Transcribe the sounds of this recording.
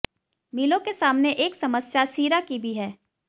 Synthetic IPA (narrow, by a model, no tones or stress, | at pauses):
miːlõkesaːmneʔeːksɐməsjasiːɾakibʱiɦɛː